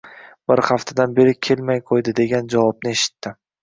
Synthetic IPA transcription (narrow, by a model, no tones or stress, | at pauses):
bɪɾhaft̪ʰad̪anbe̞ɾɪkʲʰe̞lmajqʰojd̪ɪd̪e̞ɡʲand͡ʒavɒb̚nɪe̞ʃɪ̥t̪ːɪ